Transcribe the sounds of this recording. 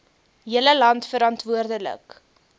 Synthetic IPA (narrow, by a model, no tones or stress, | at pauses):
ɦiələlɐntfəɾɑntvuərdələ̰k